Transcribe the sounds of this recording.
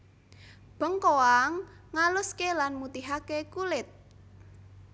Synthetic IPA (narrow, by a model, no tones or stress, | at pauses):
b̥ə̤ŋkoaŋːalʊskelanmut̪iɦakekulɪt̪̚